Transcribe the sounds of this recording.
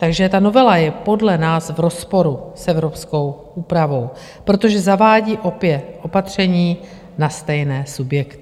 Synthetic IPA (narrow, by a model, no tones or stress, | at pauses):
t̪aɡʒɛt̪ano̞vɛlajɛpo̞dlɛnaːsvɾo̞spo̞ɾusʔɛvɾo̞psko̞wʔuːpɾavo̞w | pɾo̞t̪o̞ʒɛzavaːɟiːʔo̞pjɛt̪ʔo̞pat̪r̝̥ɛɲiː | nast̪ɛjnɛːsubjɛkt̪ɪ